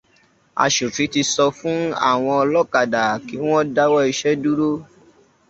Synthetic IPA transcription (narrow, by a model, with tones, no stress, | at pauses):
a̰˧ʃu˨fĩ˨˦ti˧sɔ˧fũ˦a̰˦˨w̃ɔ̃˧ɔ˧lɔ˦ka˨da˨ki˨˦w̃ɔ̃˦da˦wɔ˦i˧ʃɛ˦du˦ɾo˦